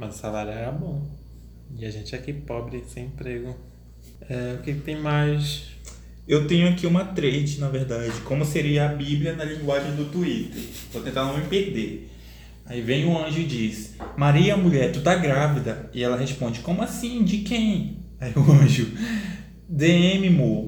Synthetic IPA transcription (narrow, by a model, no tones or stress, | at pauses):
mɐzsalaɾjɛɛɾɛbõ | ɪaʒẽnt͡ʃɪɛkipɔbɾɪsẽj̃ẽpɾeɡʊ | ɛʊkekɪ̥t̪ẽj̃majs | ewt̪ẽɲʊakiũmɐt̪ɾed͡ʒɪnɐveɾd̪ad͡ʒɪkõmʊseɾiɐabiblʲiɐnɐlĩŋɡwaʒẽj̃d̪ʊt̪uit̪eɾ | vowt̪ẽnt̪anɐ̃w̃mĩpehd̪eɾ | aivẽj̃ʊɐ̃ʒʊɪd͡ʒismaɾiɐɐmuʎɛɾt̪ud̪aɡɾavid̪ɐɪɛlɐɦespõd͡ʒɪkõmʊasĩd͡ʒɪkẽj̃ | aiʊɐ̃ʒʊ | d̪eẽmɪmo